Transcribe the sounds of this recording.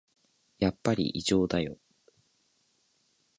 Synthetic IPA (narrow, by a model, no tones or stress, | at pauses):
japːaɾʲḭʔiʑo̞ːd̪ajo̞